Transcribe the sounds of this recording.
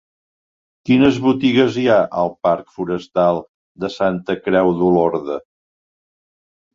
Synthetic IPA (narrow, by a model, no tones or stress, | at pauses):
kinəzβut̪iɣəziaʔəlˠpaɾkfuɾəst̪alˠ | d̪əsant̪əkɾɛwðulɔɾðə